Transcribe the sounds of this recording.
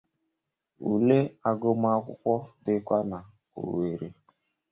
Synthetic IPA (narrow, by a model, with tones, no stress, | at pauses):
ṵ˨le˦a˦ɡo˦m˦a˦kʷʊ̰˦kʷɔ˦dɪ˦kʷa˦na˨ | o̰˨we˨ɾe˨